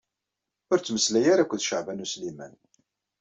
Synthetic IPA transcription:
ʊɾt͡sːməslæjaɾakʷːəðʃəʕvænuslimæn

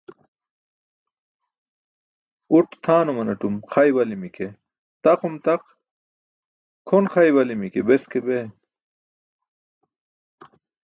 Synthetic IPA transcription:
uʈt̪ʰaːnomɐnɐʈumxʰajwɐlimike | t̪ɐqumt̪ɐq | kʰonχɐjwɐlimikebeskebe

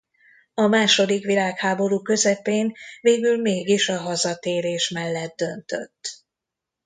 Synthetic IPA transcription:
ɒmaːʃo̞d̪ikʋilaːkhaːbo̞ɾuːkø̞zɛpeːnveːɡylmeːɡiʃɒɦɒzɒt̪eːɾeːʃmɛlːɛd̪d̪ø̞nt̪ø̞̰t̪ː

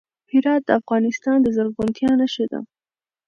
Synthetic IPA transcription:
hɪɾɑt̪̚d̪əafɣɑnɪst̪ɑnd̪əzaɾɣʊnt̪jɑnaʃed̪a̰

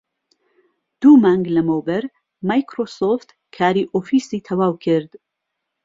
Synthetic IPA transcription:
d̪̥uːmaŋɡlɐmowbɐɾ | majkɾoːsoft̪ | kʰaːɾiʔoːfisiːt̪ʰɐwaːwkʰɪɾd̪

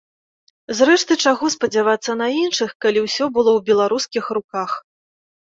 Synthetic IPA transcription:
zɾɛʂt̪ɨt͡ʂaɣɔspɐd͡zʲavat̪sːɐnɐinʂɨxkalʲiwsʲɔbɨlˠɔwbʲɛlˠaɾuskʲixɾukax

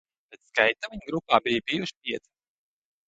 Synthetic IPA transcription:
pʲet̪skajt̪aviɲɡɾupaːbijbijuʃpiɛt̪i̥

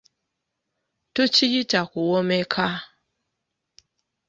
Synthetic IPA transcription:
tot͡ʃijitakuwɔmekʰa

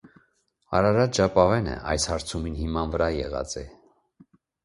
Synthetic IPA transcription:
ɑ̰ɾɑɾɑd̪d͡ʒɑpɑvɛnə̰ʔɑ̰jshɑɾt͡sʰuminhimɑnvəɾɑjɛ̰ʁɑ̰t͡sɛ̰

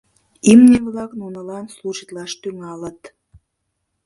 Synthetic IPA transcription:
imneβlɑknunəlɑnsluʒit̪lɑʃt̪yŋɑlət̪

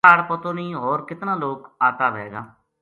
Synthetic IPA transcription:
aːɽpət̪õːnĩːɦoːɾkɪt̪nãːloːkaːt̪aːʋɛːɡaː

